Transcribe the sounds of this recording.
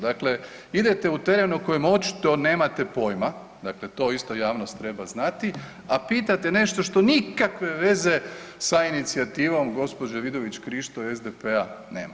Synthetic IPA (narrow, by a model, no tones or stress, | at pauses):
d̪akle̞ | id̪et̪e̞ut̪e̞ɾe̞nuko̞jemo̞t͡ʃi̥t̪o̞ne̞ːmat̪e̞po̞jma | d̪akle̞t̪o̞ːist̪ojaːʋnost̪ːɾe̞baznat̪i | apiːt̪at̪ene̞ʃt̪oʃt̪o̞nikakʋe̞ʋe̞ze̞sainit̪siat̪iːʋo̞mɡo̞spo̞d͡ʒaʋid̪o̞ʋit͡ɕkɾiʃt̪oezd̪epeanḛːma